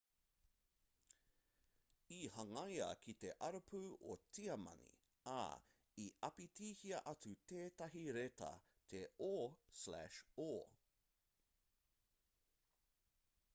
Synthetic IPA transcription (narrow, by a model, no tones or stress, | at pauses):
ihɐŋɐjɐ̰kʰit̪eʔɐɾopʰuːot͡siɐmɐ̰nḭ | a̰ | iʔɐpitiːhiɐʔɐt͡sut̪eːt̪ɐɦiɾet̪ɐ̰ | t̪ʰeoslæ̰ʃoː